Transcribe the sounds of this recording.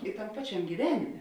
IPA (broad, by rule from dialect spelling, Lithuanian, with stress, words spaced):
ɪ tɐm ˈpɑːt͡ʃʲɛmʲ ɡʲiːˈʋʲæːnʲɪmʲeː